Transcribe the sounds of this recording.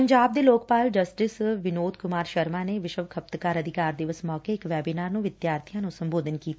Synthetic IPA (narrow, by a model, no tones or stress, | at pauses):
əɲd͡ʒaːb̚d̪eːloːkpaːld͡ʒəsʈɪsʋɪnoːd̪kʊmaːɾʃəɾmãːneːʋɪʃəʋkʰəp̚t̪kaːɾəd̪ʱɪkaːɾd̪ɪʋəsmɔːkeːɪkʋɛːbiːnaːɾnũːʋɪd̪jaːɾt̪ʰijãːnũːsəmboːd̪ənkiːt̪ː